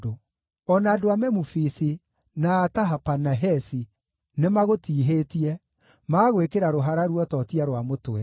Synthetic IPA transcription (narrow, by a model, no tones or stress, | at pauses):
o | ɔnaːdoamɛmufisi | naːtaɦapanaɦɛsi | nemaɣotiːɦetiɛ | maːɣwekeɾaɾoɦaɾaɾwɔtɔtiaɾwamotwɛ